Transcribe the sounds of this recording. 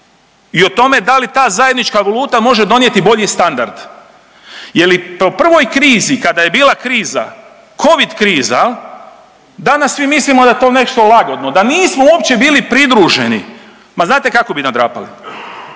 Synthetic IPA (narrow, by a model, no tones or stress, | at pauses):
io̞t̪o̞me̞d̪alit̪aːzaje̞d̪nit͡ʃkaʋolˠuːt̪amo̞ʒe̞d̪o̞nje̞t̪ibo̞ʎist̪and̪aɾd̪̥ | jelipo̞pr̩ʋo̞jkɾiːzikad̪aje̞biːlˠakɾiːza̰ | kʰo̞ʋid̪kɾiːza | d̪anasʋimislimod̪ajet̪o̞ːne̞ʃt̪o̞laɡo̞d̪no̞d̪aniːsmouopt͡ɕe̞biːlipɾid̪ɾuːʒe̞ni | maznaːt̪e̞kako̞binad̪ɾa̰ːpa̰lḭ